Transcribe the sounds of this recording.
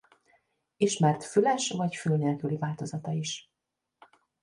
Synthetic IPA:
iʃmɛrt̪fylɛʃvɒcfylneːlkylivaːlt̪o̞zɒt̪ɒiʃ

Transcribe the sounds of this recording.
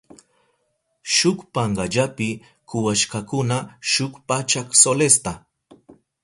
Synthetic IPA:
ʃʊkpaɴɢaʎapɪ | kʊwaʃkakʊnaʃʊkpat͡ʃaksolest̪a

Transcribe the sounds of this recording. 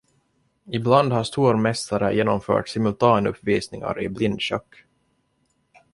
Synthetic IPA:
ɪbland̪haʂt̪uːɾmɛst̪aɾəjʔeːnɔmfœ̰ːʈsɪmɵlt̪ʰɑːnɵpːviːsnɪŋa̰ɾɪblɪnd̪ɕœkː

